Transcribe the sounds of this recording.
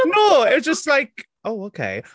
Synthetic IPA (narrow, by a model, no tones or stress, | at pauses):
noʊɪt̚d̥ʒ̥ʌst̚ˡlaɪk̚ | ʔoʊoʊkʰḛɪ